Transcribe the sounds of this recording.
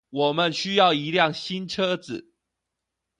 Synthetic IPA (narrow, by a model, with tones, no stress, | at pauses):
wɔ˨˩mə˨nɕy˦jɑ˥˨˩ʊi˧˦ljɑ˥˨ŋɕi˦nʈ͡ʂʰɤ˦d͡zɹ̩˨˩˦